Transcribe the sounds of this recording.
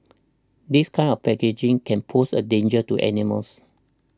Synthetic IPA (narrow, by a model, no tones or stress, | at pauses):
diskʰãɪ̃nɔfpɛked͡ʒĩŋkʰɛ̃npʰosədẽnd͡ʒətuʔɛ̰nimə̰ls